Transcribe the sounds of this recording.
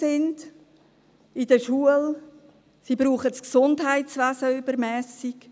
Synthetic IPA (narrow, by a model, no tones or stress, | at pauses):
sɪnd | id̥̪əʃuːəl | sibɾuːχətsksʊndɦæɪtt͡sʋæzəybəɾmɛːsik